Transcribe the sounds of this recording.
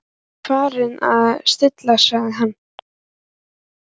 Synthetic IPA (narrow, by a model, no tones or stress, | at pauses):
kʰvaːɾɪna̰ðst̪ɪt̪lasaɣðɦanː